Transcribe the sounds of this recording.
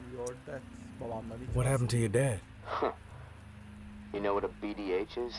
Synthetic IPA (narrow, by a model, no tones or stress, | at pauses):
wʌt̚hæpn̩tʰɨjədɛd̥ | jɨnoʊwʌɾəbiɾieɪt͡ʃɪz̥